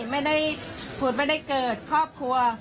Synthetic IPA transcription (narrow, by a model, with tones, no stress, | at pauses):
ma˥˩jda˥˩jpʰu˨˩t̚ma˥˩jda˥˩jkɤː˨˩t̪̚kʰɾɔː˥˩p̚kʰɾu˧ɐ